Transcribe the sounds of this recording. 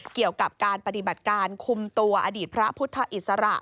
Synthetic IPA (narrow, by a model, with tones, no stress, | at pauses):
ki˨˩əwka˨˩p̚kaː˧npa˧t̪i˨˩ba˨˩t̪̚kaː˧nkʰu˧mt̪u˧ɐʔa˧diː˨˩t̪̚pʰɾa˦˥pʰu˦˥t̪ʰːa˧ʔi˨˩t̪̚sa˧ɾa̰˨˩ʔ